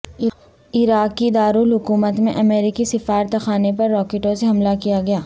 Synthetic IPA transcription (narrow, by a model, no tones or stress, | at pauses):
ɪɾaːkːid̪aːɾulɦʊkuːmət̪mḛ̃ʔɐmeːɾɪkisɐfaːɾt̪xaːnepɐɾːɔːkeːʈõseɦɐmlakijaɡɐjaː